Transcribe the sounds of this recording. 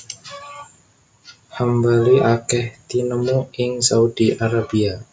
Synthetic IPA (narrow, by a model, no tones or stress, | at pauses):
hambaliʔakɛht̪inəmuɪŋsaud̥iʔaɾabia